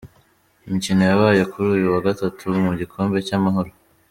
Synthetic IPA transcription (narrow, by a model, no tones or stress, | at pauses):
imicino̞jaβaːjokʰuɾuːjuwaɡatatʰumuɟikʰo̞ːmbe̞camaɦo̞ɾo